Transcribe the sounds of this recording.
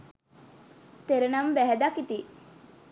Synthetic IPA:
t̪eɾenɐmbæɦɛd̪akit̪i

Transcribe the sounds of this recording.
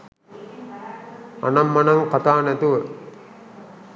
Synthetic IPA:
a̰namːɐnaŋkat̪aːnɛt̪uʋə

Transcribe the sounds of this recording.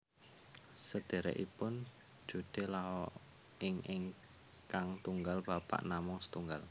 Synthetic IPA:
səd̪̥e̤ɾɛ̰ʔḭpʊn̥ | d͡ʒ̥ud̪̥e̤laɦɔ | ɪŋʔɪŋ | kaŋt̪uŋɡalb̥a̤pa̰ʔnamʊŋsə̥t̪uŋɡal

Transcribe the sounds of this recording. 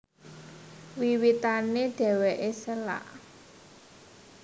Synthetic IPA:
wiwit̪aneɖ̥ɛ̤weʔesəla̰ʔ

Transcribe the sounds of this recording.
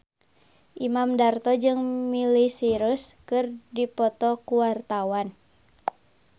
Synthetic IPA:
ʔimamdart̪ɔd͡ʒɨŋmilisiɾuskɨrdipɔt̪ɔkuwart̪awan

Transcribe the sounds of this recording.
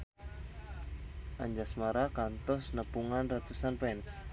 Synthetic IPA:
ʔaɲd͡ʒasmaɾakant̪ɔsnəpuŋanrat̪usanpɛns

